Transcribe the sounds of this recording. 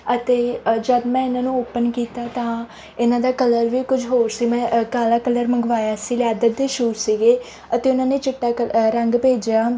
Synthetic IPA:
ət̪eːd͡ʒəd̪mɛ̃ːɪnãːnũːʊpːənkiːt̪aːt̪ãː | ɪnãːd̪aːkələɾʋiːkʊd͡ʒʱɦoːɾsiːmɛ̃ːkaːlaːkələɾməŋɡʋaːjaːsiːljaːd̪ət̪̚d̪eːʃuːɾsiːɡeː | ət̪eːʊnãːneːt͡ʃɪʈːaːɾəŋɡpeːd͡ʒjaː

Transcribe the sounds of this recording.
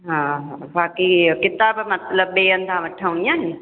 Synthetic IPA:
ɦãɦãbaːkikɪt̪aːbmɐt̪ləb̚ːeːənd̪ʱãʋɐʈʰaũnĩaːɦĩ

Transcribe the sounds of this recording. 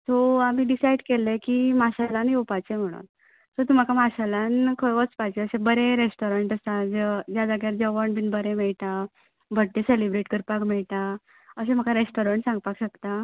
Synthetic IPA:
t̪oamiːɖisajɖkelekimaɕalanjewpat͡ɕem̤əɽ̃ṵn | t̪ɔt̪um̤akamaɕalankʰəjʋət͡spat͡ɕeəsebəɾeɾesʈoɾəɳʈəsad͡zəd͡ʑjad̪aɡaɾd͡ʑəʋəɳbinbəɾemɛɭt̪a | bʱəʈ̪̚ːeselibɾeʈkəɾpakmɛɭt̪a | əsẽm̤əkaɾesʈoɾəɳʈsãŋɡpakɕəkt̪a

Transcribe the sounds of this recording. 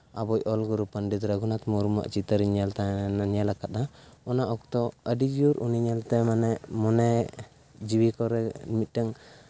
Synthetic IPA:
abɔjɔlɡuɾupənɖit̪ɾaɡunat̪muɾma̰ʔt͡ʃit̪əɾiɲalt̪anaɲalakat̪̚aɔnaʔɔkt̪ɔəɖid͡ʒiuɾuniɲalt̪ɛmanɛʔmɔnɛ | d͡ʒiwikɔɾɛnimit̪̚ʈaŋ

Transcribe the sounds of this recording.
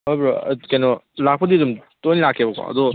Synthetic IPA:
hojbɾɔkɛjnɔlak̚pɐdiɐdumtojnlakʰebɐkʰɔ̰ɐ̰dɔ

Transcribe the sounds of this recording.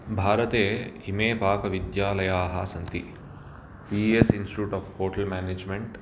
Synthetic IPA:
bʱaːɾɐt̪eːimeːpaːkɐʋid̪jaːlɐjaːɦɐsɐnt̪i | piːesinsʈiʈuːʈaːfpoːʈɐlmæːneːd͡ʒmeɳʈ

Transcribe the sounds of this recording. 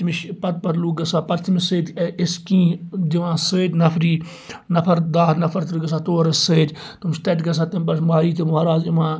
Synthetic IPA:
tmiʃpɐt̪̚pɐɾluːɡɐsaːpɐɾt̪imiseːd̪ʲɪskĩːd̪iʋãːseːd̪ʲnɐfʰɾiː | nɐfʰɐɾd̪aːɾnɐfʰɐɾt̪iɾɡɐsaːt̪oːɾɐseːd̪ʲ | t̪umst̪ɐʈɡɐs̬aːt̪ɐmpɐʃmaːɾiːt̪imuɐɾaːzimãː

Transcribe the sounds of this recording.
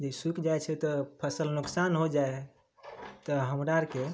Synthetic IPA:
d͡ʒeisukd͡ʒaet͡ʃʰɛt̪ɔpʰəsəlnuksanɦod͡ʒae | t̪ɔɦəmɾaɾke

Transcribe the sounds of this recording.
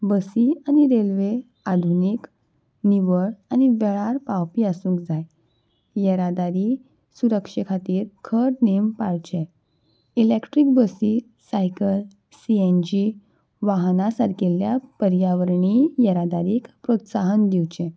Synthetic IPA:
bəsiañiɾelʋe | ad̪ʱunik | niʋəɭañiʋeɭaɾpawpiːasũːkd͡zaj | jəɾad̪aɾi | suɾəkʂəkʰat̪iːɾkʰəɾnempaɭt͡ɕẽ | ilekʈɾik̚bəsi | sajkəl | siend͡ʑi | ʋaɦnasaɾkeljapəɾjaʋəɾɳijəɾad̪aɾiːkpɾot̪saɦənd̪iwt͡ɕẽ

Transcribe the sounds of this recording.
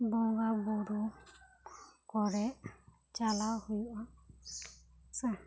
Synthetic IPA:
bɔŋɡabɔɾu | kɔɾɛʔ | t͡ʃalahujuʔa | sɛ

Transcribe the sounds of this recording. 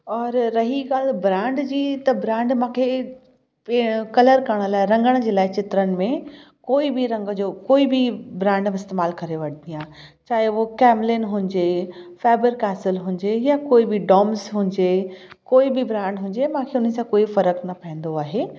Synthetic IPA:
ɔːɾːɐɦiɡaːlbɾãːɳɖd͡ʑiːt̪ɐbɾãːɳɖmãːkʰe | kɐləɾkɐɾɽ̃ə̆laːɪɾɐ̃ŋɡəɽ̃d͡ʑeːlaːɪt͡ɕɪt̪ɾənɪ̆mẽ | koːibiɾɐ̃ŋɡd͡ʑoːkoːibibɾãːɳɖmẽɪst̪eːmaːlkɐɾeʋɐɽ̤d̪ijãːt͡ɕaːɦeʋokɛːmlɪnɦũɲd͡ʑefaːbəɾkaːsɪlɦũːɲd͡ʑejakoːibiɖɔːmsɦũːɲd͡ʑeːkoːibibɾãːɳɖɦũːɲ̆d͡ʑemãːkʰeʊnəɪ̆sãkoːifɐɾəknɐpɐɦẽn̆d̪oaːɦeː

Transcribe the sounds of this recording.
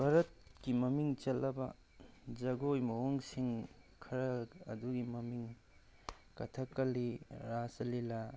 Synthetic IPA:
bʱaɾɐt̚kimɐmiŋt͡ʃɐlːɐbɐ̰ | d͡ʒɐɡojmɐwoŋsiŋkʰɐɾɐɐduɡimɐmiŋ | kɐtʰɐkːɐliɾasɐlilɐ

